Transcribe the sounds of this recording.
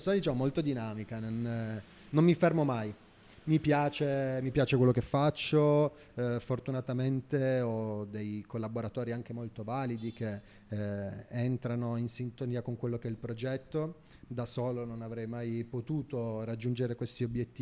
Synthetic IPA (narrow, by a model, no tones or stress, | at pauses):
sad̪it͡ʃamomolt̪od̪inaːmikanon | nomːifermomaj | mipjaːt͡ʃemipjaːt͡ʃekwelːokefːat͡ʃːo | fort̪unat̪ament̪eɔd̪ejkolːaboɾat̪oːɾiaŋk̟emolt̪ovaːlid̪ik̟e | ent̪ɾanoinsint̪oniːakoŋkwelːokeɛilpɾod͡ʒɛt̪ːo | d̪asoːlononavɾɛjmajpot̪uːt̪orad͡ʒːund͡ʒeɾekwest̪iobjet̪ːiː